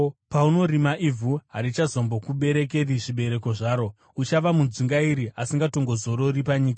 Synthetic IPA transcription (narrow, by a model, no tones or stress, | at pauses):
pauno̞ɾimaʔivʱuɦaɾit͡ʃazo̞mbo̞kuɓe̞ɾe̞k̬e̞riʐiɓe̞ɾe̞ko̞ʐaːɾo̞ | ut͡ʃaʋamund͡ziŋɡaiɾiʔasiŋɡato̞ŋɡo̞zo̞ɾo̞ripaɲiːka